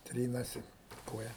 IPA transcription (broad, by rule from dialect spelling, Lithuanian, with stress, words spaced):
ˈtʲrʲiːnɐsʲɪ ɪ ˈkoːjɛ